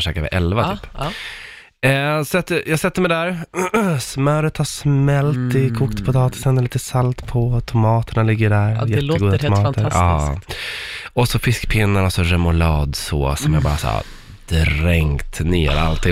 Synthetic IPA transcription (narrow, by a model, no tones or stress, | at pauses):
ʂɛːkavɪ̰ʔɛlvat̪ːp | sɛt̪ːəjɑːɡsɛt̪ːəmɛɪd̪æɾ | smœɾət̪haʂmɛlt̪ɪkʰuːkt̪pʰɔt̪ʰɑːt̪ɪ̥sənliːt̪əsalt̪pʰɔt̪ʰʊmɑːt̪əɳalɪɡːəɖæɾjɛt̪ːɡuːd̪at̪ʊmɑːəɾɑː | ɔsɔfɪskpʰɪnːaɾɔsɔɾɛmʊlɑːd̪so̰ːsɔmjabɑːɾa̰sa̰ | d̪̥ɾɛŋt̪neːɾa̰lt̪ʰɪ